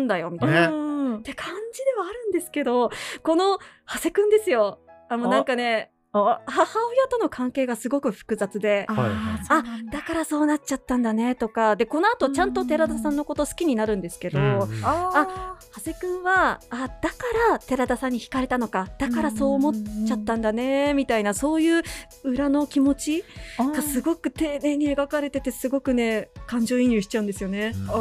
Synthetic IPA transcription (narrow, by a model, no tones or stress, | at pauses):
nd̪ajo̞mʲit̪ | t̪e̞kʰãɲ̟d͡ʑid̪e̞βaːɾɯ̟̃nd̪e̞sɨ̥ke̞d̪o̞ko̞no̞hase̞kɯ̟̃nd̪e̞sɨjo̞amonãŋkane̞ | hahaojat̪ono̞kʰãŋke̞ːɡasɨɡo̞kɯ̟ɸɯ̟̥kɯ̟zat͡sɨd̪e̞ | ad̪̥akaɾaso̞ːnat͡ɕat̪ːãnd̪ane̞t̪o̞kad̪e̞ko̞noat̪o̞t͡ɕãnt̪o̞t̪e̞ɾad̪asãnːo̞ko̞t̪o̞sɨ̥kʲiɲ̟inaɾɯ̟̃nd̪esɨ̥ke̞d̪o̞ahaze̞kɯ̟̃ɰ̃βaːd̪̥akaɾat̪e̞ɾad̪asãɲ̟ːiçi̥kaɾe̞t̪ano̞kad̪̥akaɾaso̞ːmo̞t͡ɕat̪ːãnd̪ane̞mʲit̪ainaso̞ːjɯ̟ː | ɯ̟ɾano̞kʲimo̞t͡ɕiɡ̥asɨɡo̞kɯ̟t̪e̞ːne̞ːɲ̟ieɡakaɾe̞t̪e̞t̪e̞sɨɡo̞kɯ̟ne̞kãɲ̟d͡ʑo̞ːĩɲjɯːɕi̥t͡ɕaɯ̃nd̪e̞sɨjo̞ne̞